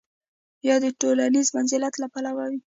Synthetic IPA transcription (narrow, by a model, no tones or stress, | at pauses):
jɑd̪əʈolanizmanzɪlat̪lapalawawi